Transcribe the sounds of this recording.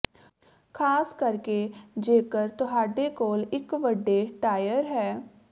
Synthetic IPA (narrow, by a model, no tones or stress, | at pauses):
kʰaːskɐɾked͡ʒeːkəɾt̪ʊɦaːɖekoːlɪkʋəɖːeʈaːjəɾɦɛː